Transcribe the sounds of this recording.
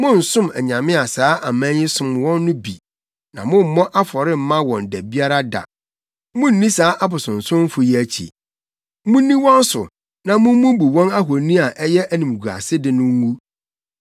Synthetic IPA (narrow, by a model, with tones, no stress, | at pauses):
mʊ̃˦n̩˨sʊ̃˦mæ˨ɲã˨mɪ̃˦a˨saː˦ʔa˨mæ̃˦ɲɪ̃˦sʊ̃˦mwɔ̃˦nːʊ̃˦bḭ˨ | nã˨mʊ̃˦m̩˨mɔ̃˦ʔa˦fɔ˨ɾɪ˦m̩˨mã˦wɔ̃˨n̩˨dæ˨bi˦a˦ɾa˦da̰˨ | mʊ̃˦n̩˨nĩ˦saː˨˦ʔa˦bʊ˨sʊ̃˨n̩˨sʊ̃˦m̩˦fʊ˨jɛ˦æ˦t͡ɕʰḭ˨ | mʊ̃˦nĩ˦wɔ̃˦n˦sʊ̰˨ | nã˨mʊ̃˦m˦mʊ̃˦bu˨wɔ̃˦na˦ɦo˨nĩ˦a˨ʔɛ˦jɛ˦ʔæ˦nĩ˨m˨ɡu˨a̰˨sɪ˦dɪ˨nʊ̃˦wu˦